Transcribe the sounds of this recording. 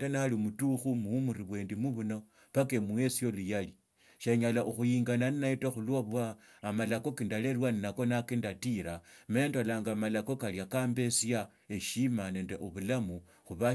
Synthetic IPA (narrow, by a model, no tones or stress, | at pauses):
denalimutuxumuumuɾiβwe̞ːndimuβuno | pakemuwe̞sijo̞lujali | ʃeɲalaʔuxujiːŋɡananinaitaxulwaβwaː | malako̞kindalelwaninako̞nakindatiɾamendolaːŋɡamalako̞kaljakaːmbe̞sa | eʃimane̞ːndḛʔoβulamu | xuβa